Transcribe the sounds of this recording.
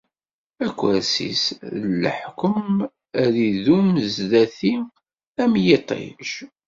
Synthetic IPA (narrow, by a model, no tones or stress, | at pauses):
ækʷːæɾsḭslːə̰ħkəm | æɾiðumzðæθi | æmjit̪ˤḛlʃ